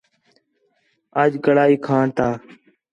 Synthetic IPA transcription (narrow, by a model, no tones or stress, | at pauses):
əd͡ʒɡəɽaːiːkʰãːɳt̪aː